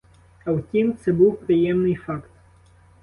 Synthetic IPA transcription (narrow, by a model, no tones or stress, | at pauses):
ɐwtʲimt̪sɛbuwpɾɪjɛmnɪjfɑkt̪